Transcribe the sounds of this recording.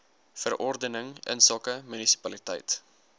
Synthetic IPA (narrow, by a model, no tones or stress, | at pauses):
fərʔɔrdənəŋə̰nsɑːkəmynisi̥pɐlitɛ̰jt